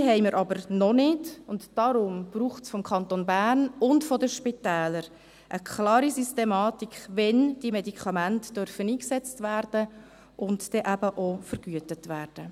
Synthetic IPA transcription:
ɦɛɪməɾʔɑbəɾnɔnɪdʊntd̥ɑɾʊmb̥ruːχt͡sfɔmkʰχɑnt̪onbæːrnʊntfɔdəʃpitɛːləɾ | ʔəkʰlɑːɾisistemɑːtikʋɛnd̥imɛdikʰɑmæntd̥œɾfəniːksɛt͡stvæːrd̥ə | ʔʊnttɛʔæbəʔofəɾɡ̥yətətʋæːrd̥ə

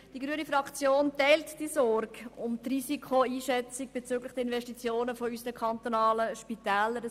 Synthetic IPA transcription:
d̥iɡɾyənifɾɑkt͡sjoːntɛltd̥isɔɾɡ̥ʊmt̪riːsikʰχoiːʃɛt͡siɡ̚b̥et͡syːɡlɪχd̥ɛɪnvɛʃtit͡sjoːnəfɔysənəkʰɑnt̪onɑːləʃpitɛːləɾ

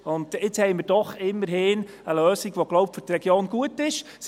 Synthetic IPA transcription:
ʊndɪt͡shɛɪmɪːɾd̥ɔχɪmːəɾhɪːn | əløːsiɡʋoɡ̥lowp̚fʏɾtrɛɡ̥joːnɡuətɪʃ | s

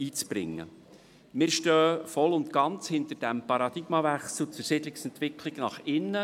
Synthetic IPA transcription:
iːt͡sb̥ɾɪ̰ŋːə̰ | mɪːɾʃtøːfɔlʊnt̪ɡ̥ɑnt͡shɪnt̪əɾd̥æmpɑɾɑd̪ɪɡ̥mɑvæχsl̩ˠt͡sʊrsɪdlɪksɛnt̪ʋɪkʰlɪɡ̥nɑχɪnːə

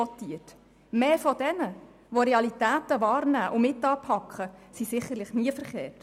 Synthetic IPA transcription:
ɔt̪iət | meːfɔd̥ɛnə | ʋɔɾeɑlitæːtəʋɑːɾnæːʔʊmɪtːɑːpʰɑkχəsisɪχːəɾlɪχniəfəɾχeːrt

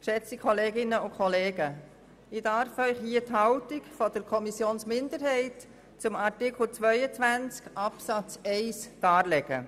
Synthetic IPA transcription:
ʃɛt͡sikʰχɔleːɡɪnəʊkʰχɔleːɡə | ɪdɑɾfœʏχhiːəthɑwtikfɔd̥əɾkʰɔmisjoːnsmɪnd̪əɾɦɛɪt | t͡sʊmɑtɪkl̩t͡sʋœʏət͡svænt͡skʔɑpsɑt͡sɛɪsd̥ɑːlɛɡ̥ə̰

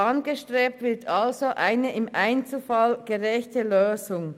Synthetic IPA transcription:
ɑnɡəʃtʁ̥eːp̚tvɪɐtʰɑlzoʔaɪnəʔɪmʔaɪnt͡sl̩fɑlɡ̥əʁɛçtəløːzʊŋ

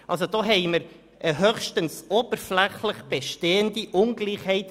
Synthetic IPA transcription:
ʔɑlsodɔːɦɛɪməɾ | ʔɛɦøχʃtənsob̥əɾflɛχləχb̥eʃteːəndiʔʊnɡliːχhɛɪt

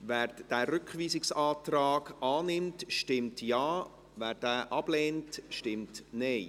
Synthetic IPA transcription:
væːɾd̥æːɾʏkχʋiːsɪksɑːtrɑːɡ̥ɑːnɪmtʃtɪmtjɑː | væːɾd̥æːʔɑb̥lɛːntʃtɪmtnɛɪ

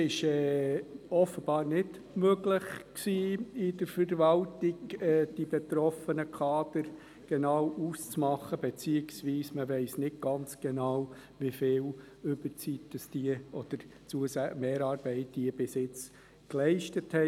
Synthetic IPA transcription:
ɪʃɛːɔfəb̥ɑːɾnɪd | møɡlɪχksiːɪdəɾfəɾvɑltiɡɛːd̥ibet̪ɾɔfənəkʰɑːd̥əɾ | ɡ̥enɑwʔuːst͡smɑχəb̥et͡siɪksʋiːsməʋɛɪsnɪd̚ɡ̥ɑnt͡sɡ̥enɑw | ʋifɪːl | ʏbəɾt͡sitd̥ɑsd̥iəɔd̪̥əɾt͡suəsæmeːɾɑːɾb̥ɛɪt̚d̥iəb̥ɪsɪt͡s | klɛɪʃtəthɛ

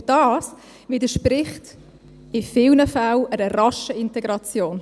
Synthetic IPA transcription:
d̥ɑːs | vidəʃpɾɪχt | ɪfɪlnəfawəɾəɾɑʃəɪntɛɡɾɑt͡sjoːn

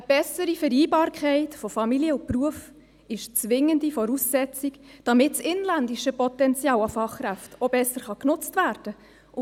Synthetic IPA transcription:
əb̥ɛsəɾifəɾiːbɑːɾkʰɛɪtfɔfɑmiliəʊpruəf | ɪʃt͡sʋɪŋːəndifɔɾuːsːɛt͡sikd̥ɑmɪtsɪnlændiʃəpɔtɛnt͡sjɑːwɑfɑχkræftobɛsːəɾχɑknʊt͡stvæːrd̥ə

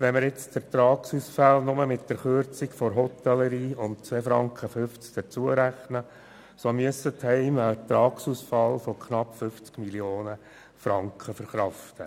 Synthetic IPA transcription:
ʋɛnməɾɪt͡stəɾt̪ɾɑːksuːsfalnʊməmɪtd̥əɾχøɾt͡sɪkfɔɾɦɔt̪ɛlːəɾiːʊntt͡sʋɛːfɾɑ̰ŋkχəfʏft͡skd̥ət͡suəɾæχnə | somyəsəthɛɪmət̪ɾɑːksuːsfɑlfɔkʰχnɑpːfʏft͡skmiljoːnə | fɾɑŋkχəfəɾχɾɑftə

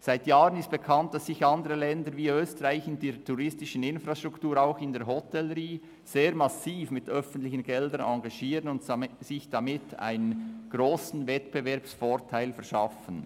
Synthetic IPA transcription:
z̥aɪtjaːʁənɪst̚b̥ekʰɑnt̚d̥ɑsːɪçɑndəɾəlɛndəɾviːøːstəʁaɪçɪndeːtʰuʁɪstɪʃn̩ɪnfɾaʃtʁ̥ʊktuːɾaʊxɪndeːɾɦɔtʰɛləɾiː | z̥eːɾmɑsiːfmɪtœfən̩tlɪçən̩ɡɛldənɑŋɡɑʃiːʁənʊntsɪçd̥ɑmɪtʰa̰ɪnənɡ̥ɾoːsn̩vɛtb̥əvɛɐpsfoːɾtʰaɪlfɛɐʃɑfən

